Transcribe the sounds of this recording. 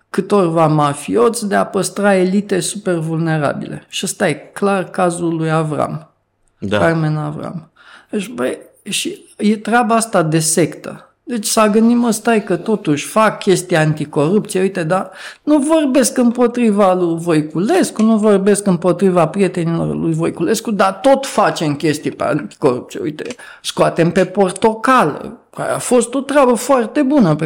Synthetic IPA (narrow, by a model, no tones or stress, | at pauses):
kɨt̪o̞rvamafio̞t̪sd̪eapəst̪ɾae̞lit̪e̞supe̞rvulne̞ɾa̰bḭle̞̰ʃiəst̪ajeklarkazulujavɾa̰m | d̪akarme̞navɾa̰m | et͡ʃbəj | ʃi | je̞t̪ɾeabaast̪ad̪e̞se̞kt̪ə̰ | d̪e̞t͡ʃʲsaɡɨnd̪iməst̪ajkət̪o̞t̪uʃʲfakːʲe̞st̪ijaant̪iko̞ɾupt̪sieujt̪e̞d̪anuvo̞rbe̞skɨmpo̞t̪ɾivalujvo̞jkule̞skunuvo̞rbe̞skɨmpo̞t̪ɾivapɾije̞t̪e̞nilo̞̰rlujvo̞jkule̞skud̪at̪o̞t̪fat͡ʃe̞mkʲe̞st̪ijpea̰nt̪i̥ko̞ɾup̚t̪sijeṵjt̪e̞̰ | skoat̪e̞mpe̞po̞rt̪o̞kalə̰ka̰ɾḛa̰fo̞st̪o̞t̪ɾeabəfoart̪e̞bunəpe